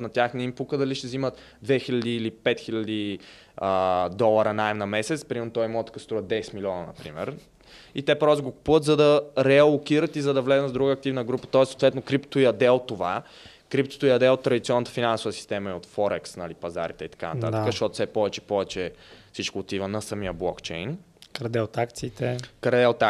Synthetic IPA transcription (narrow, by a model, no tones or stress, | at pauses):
nɐt̪ʲjaxnɛimpukəd̪ɐliʃt̪ɛzimət̪ | d̪vɛxilʲɐd̪iːlipɛt̪xilʲɐd̪i | əd̪ɔlˠɐɾənaɛmnɐmɛsɛt̪spɾimɛɾnot̪ɔimɔt̪kəst̪ɾuvəd̪ɛsɛt̪milʲiɔnənɐ̰pɾḭmɛ̰ɾ | it̪ɛpɾɔst̪oɡoku̥puvət̪zɐd̪ɐɾɛɐlˠokiɾət̪izɐd̪ɐvlɛznət̪vd̪ɾuɡəːk̚t̪ivnəɡɾupə̥t̪ɔɛsːot̪vɛt̪nokɾipt̪t̪oiɐd̪ɛot̪ːova | kɾip̚t̪o̥t̪oiɐd̪ɛot̪ːɾɐd̪it̪siɔnːət̪ə̥finansovəsi̥st̪ɛməiot̪fɔɾɛksnɐlipɐza̰ɾit̪ɛit̪ɐ̥ka̰nɐt̪a̰t̪əkəʃt̪ɔt̪o̥fsɛpɔvɛt͡ʃɛ̥pɔvɛt͡ʃɛfsit͡ʃkoːt̪ivənɐsɐmiəblˠɔkt͡ʃɛjn | kəɾd̪ɛt̪akt̪siːt̪ɛkəɾd̪ɛt̪a